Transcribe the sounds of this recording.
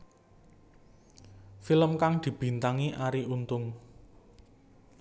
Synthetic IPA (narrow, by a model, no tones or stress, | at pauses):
filəmkaŋd̪̥i̤b̥i̤nt̪aŋiʔaɾiunt̪ʊŋ